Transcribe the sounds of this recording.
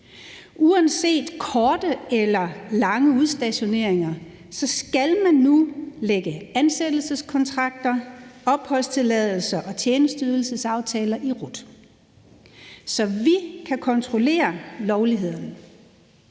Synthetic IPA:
ʔuænse̝̰ːd̥kʰɒːd̥əelɐlɑ̈ŋəuð̞ˠsd̥æɕo̝ne̝ɐ̰eŋɐ | sɒ̽sɡ̥ælmænːuleɡ̥əænsed̥l̩səskʰɒ̽nt͡sʰʁɑ̈ɡ̥̚d̥ɐɒ̽b̥hɒ̽l̰st͡sʰe̝lɛð̞ˠl̩sɐʔɒ̽t͡ɕʰjeːnəsd̥yðˠl̩səsɑ̈ʊt͡sʰɛːlɐʔiʁɔd̥ | sɒ̽ʋikʰækʰɒ̽nt͡sʰʁo̝le̝̰ːɐlɒʊliɦe̝ð̞̰ˠɐnə

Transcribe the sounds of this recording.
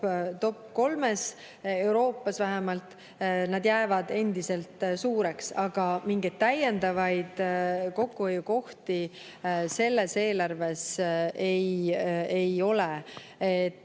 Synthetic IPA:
t̪o̞pːko̞lme̞s | e̞wɾo̞ːpːˑɑsvæɦemɑlt̪ | nɑd̪jæːvɑd̪e̞nd̪̥ise̞lt̪suːɾe̞ksɑɡ̥ɑmiŋɡ̥ed̪̚t̪ːæjːend̪̥ɑvɑjd̪̥ko̞kːˑuhojːuko̞ht̪i | se̞lːe̞se̞ːlɑrve̞sejejo̞le | et̪ːˑ

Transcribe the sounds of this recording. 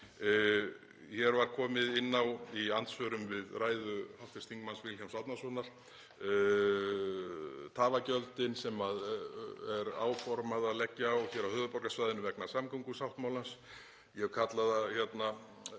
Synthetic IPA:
çɛɾvaɾkʰɔːmɪðɪnːawiant̪svœɾʏmvɪðraːjðʏhaft̪ɪst̪ʰiŋkmansvɪlçamsawt̪nasɔnaɾ̥ | t̪ʰaːvacœlt̪ɪnsɛmaðɛɾa̰ːwfɔɾmaðalɛcːaɔɣçɛɾawhœːðʏpɔɾkasvajðɪnʏvɛknḁsamkʰɔŋkʏsawht̪mawlans | jɛɣkʰat̪laðaçɛt̪na

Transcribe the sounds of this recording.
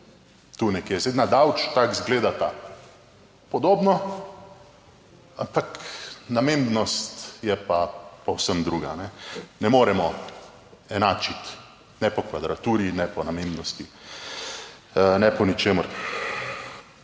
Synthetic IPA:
t̪uːnɛkjeːzeɪnad̪awt͡ʃt̪akzɡleːd̪at̪a | pɔd̪oːbnɔ | ampaknameːmbnɔst̪jɛpapɔwsəmd̪ɾuːɡanɛnɛmoːɾɛmɔ | ɛnaːt͡ʃit̪ | nɛpɔkʋad̪ɾat̪uːɾinɛpɔnamembnɔst̪i | nɛpɔnit͡ʃeːməɾ

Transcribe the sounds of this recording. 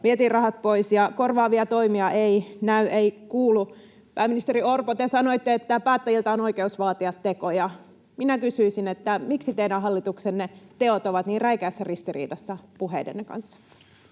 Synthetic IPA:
ʋiet̪iːrrɑhɑt̪̚poisjɑkorʋɑːʋiɑt̪o̞imiɑʔeinæyʔeikuːlu | pæːminist̪eɾiorpot̪esɑno̞it̪ːeet̪ːæpæːt̪ːæjilt̪ɑonoikeusʋɑːt̪iɑt̪tːekojɑ | minækysyisinet̪ːæmiksit̪eidæɦɑlːit̪uksenːet̪eot̪oʋɑt̪niːrræikæːsːærist̪irḭːdɑsːɑpuɦḛidḛnːekɑ̰nsːɑ̥

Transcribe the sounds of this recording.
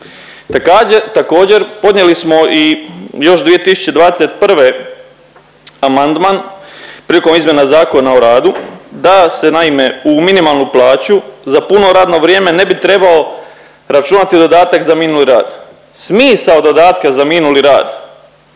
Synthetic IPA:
t̪akaːd͡ʑet̪ako̞ːd͡ʑe̞ɾpo̞d̪nɲje̞lismo̞ʔijo̞ʃd̪ʋije̞t̪isu̥t͡ɕe̞d̪ʋaːd̪e̞se̞t̪pr̩ʋe̞ | amand̪manpɾiːliko̞mizmjenazaːko̞naoɾaːd̪ud̪ase̞naime̞uminimalˠnuplˠaːt͡ɕuzapunoɾaːd̪no̞ʋɾje̞ːme̞ne̞bit̪ɾe̞bao̞ | ɾat͡ʃunat̪id̪o̞d̪aːt̪akzamiːnuliɾaːd̪̥ | smiːsaod̪o̞d̪aːt̪kazamiːnuliɾaːd̪

